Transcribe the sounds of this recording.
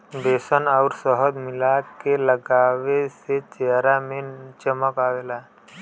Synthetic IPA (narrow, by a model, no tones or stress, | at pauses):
d̪eːsənəʊɾsəɦəd̪mɪlakeləɡaːʋeset͡ʃeɦɾamẽt͡ʃəməkaːʋeːla